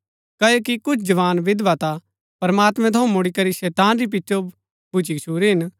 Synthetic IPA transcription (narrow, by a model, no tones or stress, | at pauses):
kɐjokikʊt͡ʃʰd͡ʒɐʋaːnʋɪd̪ʋat̪a | pɐɾɐmaːt̪mɛ̃t̪ʰɐʊ̃mʊɽikɐɾiʃɛːt̪aːnɾip̬ɪtːʃo | bʊt͡ʃikt͡ʃʰuːɾiɦɪn